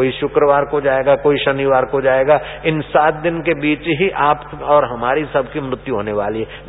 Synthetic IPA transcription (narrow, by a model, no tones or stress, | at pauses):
oiʃʊkɾəʋaːɾkod͡ʒaːeːɡakoːiʃɐniʋaːɾkod͡ʒaːeːɡaɪnsaːt̪̚d̪ɪnkebiːt͡ʃɦiʔaːpɔːɾɦɐmaːɾisɐbʱkimɾʊt̪juɦoːneʋaːliɦɛ